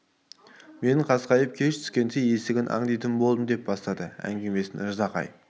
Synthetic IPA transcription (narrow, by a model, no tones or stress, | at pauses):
me̞nɪɴqʰɑsqɑjəp̚kʲʰe̞ʃt̪ʰʏ̥skʲe̞nseje̞st̪ɪɡʲɪnʔɑ̰ɴd̪ijt̪əmbo̞lˠd̪əmd̪e̞p̚bɑst̪ɑd̪əæ̰ŋɡʲe̞me̞sɪnɪɾzɑqɑ̰j